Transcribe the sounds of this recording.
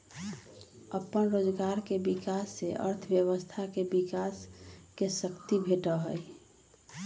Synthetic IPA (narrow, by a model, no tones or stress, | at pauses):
əpənɾoːd͡ʒɡaɾkebikasːeʔə̰ɾt̪ʰbjəwəst̪ʰakebikaskesəkt̪ibʱeʈəɦəj